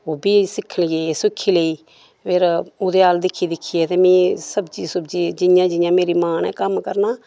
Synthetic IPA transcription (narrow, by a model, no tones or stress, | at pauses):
oːbʱiːsɪkʰːəɳijeːsɪkʰːiːləiː | pʰɪɾoːd̪eːaːld̪ɪkʰːiːd̪ɪkʰːiːɛːt̪eːmĩːsəbd͡ʒiːsəbd͡ʒiːd͡ʒɪjãːd͡ʒɪjãːmeːɾiːmaːnɛːkəmkəɾnaː